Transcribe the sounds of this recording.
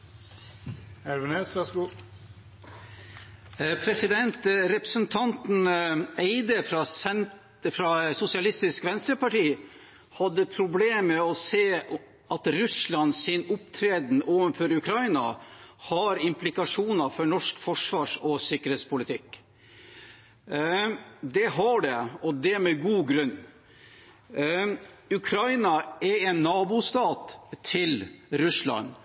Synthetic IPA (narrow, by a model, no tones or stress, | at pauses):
æɾʋɛnɛsʋæs | pʰɾɛsɪd̪ɛnt̪ɾɛpɾəsənt̪ʰɑnt̪n̩eɪd̪əɾɑsɛ | fɾɑsʊsɪɑlɪst̪ɪskʋɛnst̪ɾəpɑʈiː | hɑd̪ːəpʰɾʊbleːmɛɔseː | ʔɑt̪ɾʉslɑnsɪnʊpt̪ʰɾeːd̪n̩ʔoːʋənføɾʉkʰɾɑɪnɑ̰hɑɾɪmplɪkɑʂuːnɑfɔɳɔʂkfɔʂʋɑːʂɔsɪkːəɾheːt̪spʰʊlɪt̪ʰɪk | d̪ɛɦɑɖɛɔd̪ɛæmɛɡuːɡɾʉnː | ʉkʰɾɑɪnɑɛɛnːɑːbʊst̪ɑːt̪t̪ʰːɪlɾʉslɑ̰n